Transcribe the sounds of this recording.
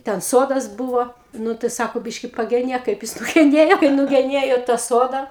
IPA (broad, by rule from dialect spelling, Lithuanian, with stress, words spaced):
tʲɛn ˈsoːdɐs ˈbʊʋoː ˈnʊ tɐɪ ˈsɑːkoː ˈbʲɪʃʲkʲɪ pɐɡʲɛˈnʲeːk kɐɪp ˈjɪs nʊɡʲɛˈnʲeːjoː kɐɪp nʊɡʲɛˈnʲeːjoː tɑː ˈsoːdɐ